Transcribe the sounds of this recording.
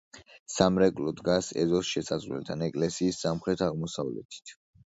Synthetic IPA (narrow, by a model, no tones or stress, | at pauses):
samɾɛkʼlɔd̪ɡasɛ̰zɔsʃɛsazʁwlɛ̰lt̪ʰanɛkʼlɛsiːsːamχɾɛt̪ʰaʁmɔsavlɛ̰t̪ʰi̥t̪ʰ